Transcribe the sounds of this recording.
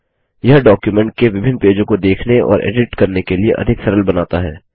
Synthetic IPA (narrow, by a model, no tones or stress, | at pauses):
jɐɦɖɔːkjumɛ̃ɳʈ̚keʋɪbʱɪ̃nːpeːd͡ʒõkod̪eːkʰneɔ̰ːɾʔḛːɖɪʈkɐɾnekeliḛʔɐ̰d̪ʱɪksɐɾəlbɐnaːt̪aɦɛː